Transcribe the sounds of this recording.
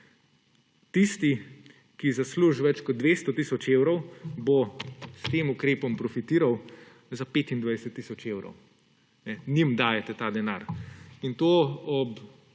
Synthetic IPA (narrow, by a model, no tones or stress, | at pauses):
t̪ist̪i | kizasluʒʋɛt͡ʃkɔd̪̚d̪ʋeːst̪ɔt̪isɔt͡ʃeːwɾɔwbost̪eːmukɾeːpɔmpɾɔfit̪iːɾaw | zapeːt̪ind̪ʋajsɛt̪ːisɔt͡ʃeːwɾɔ̰w | nɛnimd̪aːjɛt̪ɛt̪aːd̪ɛna̰ːɾint̪oːɔp